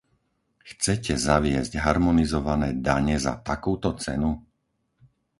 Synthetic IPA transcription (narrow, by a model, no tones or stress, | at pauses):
xt͡sɛcɛzaʋɪɛzɟɦaɾmɔnizɔʋanɛːd̪aɲɛza̰t̪akuːt̪ɔt͡sɛ̰nu